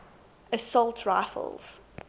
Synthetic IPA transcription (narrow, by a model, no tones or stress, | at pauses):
əsɔlˠtʰɹaɪfə̰lˠz̥